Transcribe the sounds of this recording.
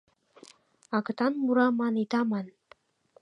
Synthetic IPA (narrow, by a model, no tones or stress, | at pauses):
ɑkə̆t̪ɑnmuɾɑmɑnit̪ɑmɑn